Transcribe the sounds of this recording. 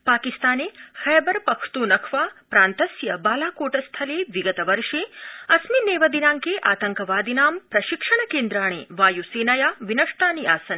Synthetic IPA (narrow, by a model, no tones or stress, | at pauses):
paːkist̪aːneːxɛːbɐɾpɐkʰt̪uːnɐkʰʋaːpɾaːnt̪ɐsjɐbaːlaːkoːʈɐst̪ʰɐleːʋiɡɐt̪ɐʋɐɾʂeːɐsmineːʋɐd̪inaːŋkeːʔaːt̪ɐŋkɐʋaːd̪inaːmpɾɐʃikʂɐɳɐkeːnd̪ɾaːɳ̃ḛːʋaːjuseːnɐjaːʋinɐʂʈaːniaːsɐn